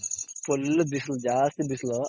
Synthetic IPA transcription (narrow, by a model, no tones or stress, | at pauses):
pulbisld͡ʒaːst̪bisl